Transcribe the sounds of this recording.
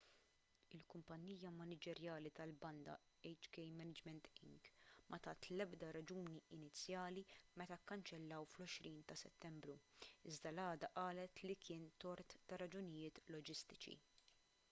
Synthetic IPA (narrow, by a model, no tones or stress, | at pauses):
ɪlkʊmpɐnːiːjɐmɐnɪd͡ʒɛɾjɐːlit̪ɐlbɐnd̪ɐ̰ | ɛjt͡ʃkɛjmɛnɪd͡ʒmɛnt̪ɪ̰ŋɡmʔɐt̪ɐːt̪lɛbd̪ɐɾɐd͡ʒuːniɪnɪt͡sːjɐːlimɛt̪ɐkːɐnt͡ʃɛlːɐwflɔʃɾiːnt̪ɐsɛt̪ːɛmbɾuɪzd̪ɐlɐːd̪ɐʔɐːlɛt̪likʰɪːnt̪ɔɾt̪ːɐɾɐd͡ʒʊnɪjɪːt̪lɔd͡ʒɪst̪ɪ̥t͡ʃḭ